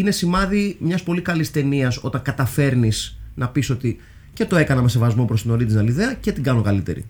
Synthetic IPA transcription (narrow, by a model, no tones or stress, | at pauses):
ine̞simɐðimɲɐspo̞likɐlist̪e̞niɐso̞t̪ɐŋkɐt̪ɐfe̞ɾnisnɐpiso̞t̪i | cet̪o̞e̞kɐnɐme̞se̞vɐzmo̞pɾost̪ino̞ɾit̪iznɐliðe̞ɐce̞t̪iɡɐno̞kɐlit̪e̞̰ɾḭ